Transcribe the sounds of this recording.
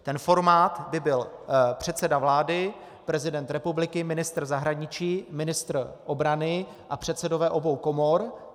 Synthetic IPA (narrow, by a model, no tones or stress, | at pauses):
t̪ɛnfo̞ɾmaːt̪bɪbɪlpr̥ɛt̪sɛdavlaːdɪ | pɾɛzɪdɛnt̪ɾɛpublɪkɪmɪnɪst̪r̩zaɦɾaɲɪt͡ʃiːmɪnɪst̪rʔobɾanɪ | ʔapr̝̥ɛt̪sɛdo̞vɛːʔo̞bo̞wko̞mo̞ɾ